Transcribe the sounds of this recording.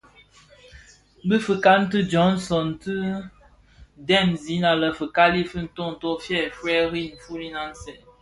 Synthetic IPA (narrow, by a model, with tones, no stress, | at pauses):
bi˦fə˨ka˦n̩˦tɨ˦d͡ʒɔ˨˦n˦sɔ˨n˨tɨ˦ | dɛ˦˨nzi˨˦na˨lə˨fə˨ka˦li˦fɨ˦n̩˨˦to˦˨n̩˨to˦fjɛ˦˨fɾɛ˦ɾi˦n̩˨fu˦ni˦na˦n̩˦sɛ˨